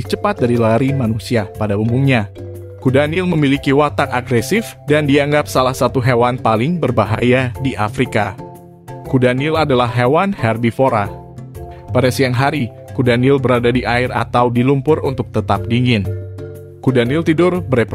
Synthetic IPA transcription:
t͡ʃəpat̪̚daɾilaɾimanusiapadaumumɲa | kudanɪlməmilikiwat̪akaɡɾɛsɪfdandiaŋɡap̚salahsat̪uɦewanpalɪŋbərbaɦa̰jadiʔafɾika | kudanɪladalahɦewanhɛrbifoɾa | padasiaŋɦaɾi | kudanɪlbəɾadadiʔaɪra̰t̪awdilumpʊrunt̪ʊk̚t̪ət̪ap̚diŋɪn | kudanɪlt̪idʊrbəɾep

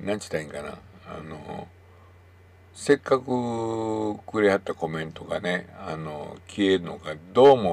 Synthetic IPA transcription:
nãɲt͡ɕi̥t̪aĩŋkana̰ | a̰no | se̞kːakɯ̟ | kɯɾehat̪ːako̞mẽ̞nt̪o̞ɡa̰ne̞ano̰kʲieɾɯ̟no̰ɡad̪o̞ːmo

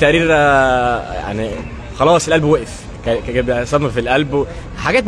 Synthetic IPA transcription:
t̪ːæʔɾiːɾ | ja̰ʕni | xɑlɑːsˤelʔælbwæʔef | kækbsˤɑmmɑfilʔælbe | ħaɡæːt̪

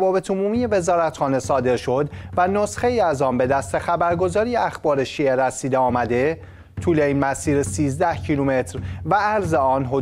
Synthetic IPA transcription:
vɒːbe̞t̪ʰomuːmije̞ve̞zɒːɾæt̪xɒːne̞sɒːd̪e̞ɾʃo̞d̪væno̞sxe̞jiæzɒːnbe̞d̪æst̪ʰe̞xæbæɾɡo̞zɒːɾijeæxbɒːɾe̞ʃiːe̞ɾæsiːd̪eɒːmæd̪e̞ | t̪ʰuːle̞iːnmæsiːɾesiːzd̪æhcʰilume̞t̪ʰɾvææɾzeɒːnɦo

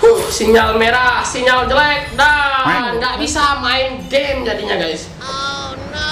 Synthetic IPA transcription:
usiɲalmeɾasiɲald͡ʒəlɛk̚daŋɡaʔbisamaɪnɡemd͡ʒadiɲaɡajs

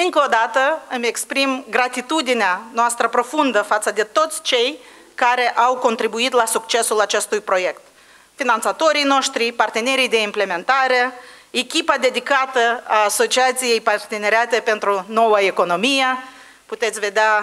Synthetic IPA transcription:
ɨŋkod̪at̪əɨme̞kspɾimɡɾat̪it̪ud̪ineanoast̪ɾəpɾo̞fund̪əfat̪səd̪e̞t̪o̞t̪sʲt͡ʃe̞j | kaɾe̞ʔawko̞nt̪ɾibuit̪lasukt͡ʃe̞sulat͡ʃe̞st̪ujpɾo̞je̞kt̪ | finant̪sat̪o̞ɾijno̞ʃt̪ɾipart̪e̞ne̞ɾijd̪e̞imple̞me̞nt̪aɾe̞ | ekʲipad̪e̞d̪ikat̪əaːso̞t͡ʃiat̪sije̞jpart̪e̞ne̞ɾeat̪e̞pe̞nt̪ɾuno̞wəeko̞no̞mije | put̪e̞t̪sʲve̞d̪ea

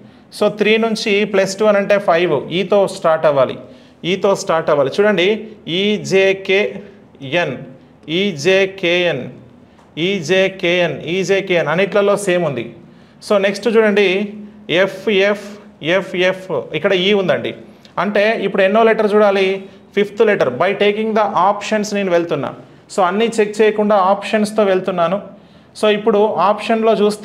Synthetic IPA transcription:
so̞ːt̪ɾiːnuɲt͡ʃiplesʈuʋɐnɐɳʈe̞ːpʰɐjʋuiːt̪o̞ːsʈaːɾʈɐʋaːlḭ | iːt̪o̞ːsʈaːɾʈɐʋaːlit͡ʃuːɽɐɳɖiiːd͡ʒeːkeː | en | iːd͡ʒeːkeːen | iːd͡ʒeːkeːeniːd͡ʒeːkeːenɐnːiʈlɐlo̞ːse̞ːmund̪ḭ | so̞ːne̞ksʈut͡ʃuːɽɐɳɖiepʰepʰepʰefʰikːɐɽɐiːund̪ɐɳɖḭ | ɐɳʈe̞ːipːuɽuenːoːleʈɐɾt͡ʃuːɽaːli | pʰipʰt̪leʈɐɾbɐjʈe̞ːkiŋɡd̪ɐʔaːpʂɐnsne̞ːnuʋe̞ɭt̪unːa̰ːm | so̞ːɐnːit͡ʃek̚t͡ʃeːjɐkuɳɖaːaːpʂɐnst̪o̞ːʋe̞ɭt̪unːaːnu | so̞ːipːuɽuaːpʂɐnlo̞ːt͡ʃuːst̪

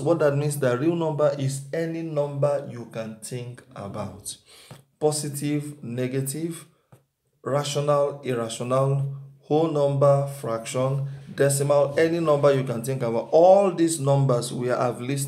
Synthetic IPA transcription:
wɔt̚datmĩnsdatɹilnɔ̃mbəʔisɛninɔ̃mbəjukãntĩŋka̰baʊtpɔsitʰivnɛɡetiv | ɹaʃɔnaliɹaʃɔnalhonɔ̃mbəfɹakʃɔ̃ndɛsimalɛninɔ̃mbəjukãnθĩŋkabaʊtɔldisnɔ̃mbəswia̰vlis̬

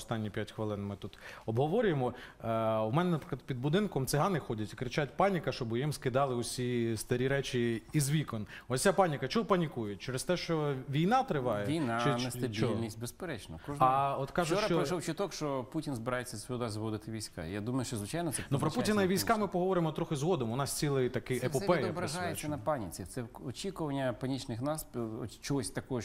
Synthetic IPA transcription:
ɔst̪ɑnʲːipʲjatʲxʋɪlˠɪnmɪt̪ut̪ɔbɦɔʋɔɾʲʊjemɔ | umɛnɛnɐpɾɪ̥k̪lˠɐd̪pʲid̪̚bʊd̪ɪnkɔmt̪sɪɦɑnɪxɔdʲɐtʲikɾɪt͡ʃatʲpɑnʲikɐʃt͡ʃɔbɪjimskɪd̪ɑlˠɪʊsʲist̪ɐɾʲiɾɛt͡ʃʲiːzʋʲikɔnɔsʲapɑnʲikɐt͡ʃɔɦɔpɐnʲikujʊtʲt͡ʃɛɾɪst̪ɛʃt͡ʃɔʋʲijnɑt̪ɾɪʋɑjɛʋʲijnat͡ʃɪnɛsɐbʲt͡ʃʲɔllʲnʲisʲt̚ʲbespeɾɛt͡ʃnɔkɔʒɐɔt̪kɑʒʊɐt͡ʃɔɐʃɔwt͡ʃɪt̪ɔkʃt͡ʃɔputʲinzbɪɾajet͡sʲːɐsʋʲiɔd̪azʋɔd̪ɪt̪ɪʋʲijsʲka̰jad̪umɐjʊʃt͡ʃɔzʋɪt͡ʃajnɔt̪sɛnupɾɔpuinɐiʋʲijsʲkɑmɪpɔɦɔʋɔɾɪmɔt̪ɾɔxɪzɦɔd̪ɔmʊnɑst͡sʲilˠɪjt̪ɐkɪʔepɔpɛj̪ɐbɾɐɦajesʲɐnɐpanʲit͡sʲit̪sɛɔt͡ʃʲikʊʋɐnʲːɐpɐnʲit͡ʃnɪxnaspt͡ʃɔɦɔsʲt̪ɐkɔɔ

